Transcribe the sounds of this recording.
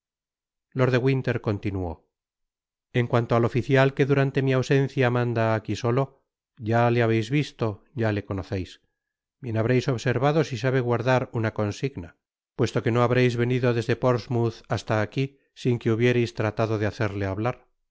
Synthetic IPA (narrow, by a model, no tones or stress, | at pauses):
lo̞ɾðe̞ɣwint̪e̞ɾko̞nt̪inuo̞̰ | e̞ŋkwant̪o̞alo̞fiθjalke̞ðuɾant̪e̞miawse̞n̟θjamãnd̪aːkiso̞lo̞ | ʝaleaβ̞ejzβist̪o̞ɟ͡ʝale̞ko̞noθejs | bje̞naβ̞ɾe̞jso̞βse̞ɾβaðo̞sisaβ̞e̞ɣwaɾðaɾunako̞nsiɣna | pwe̞st̪o̞ke̞no̞aβɾejzβe̞niðo̞ðe̞zðe̞po̞ɾzmuθast̪aːki | siŋkeuβje̞ɾe̞jst̪ɾat̪aðo̞ðeaθe̞ɾle̞aβlaɾ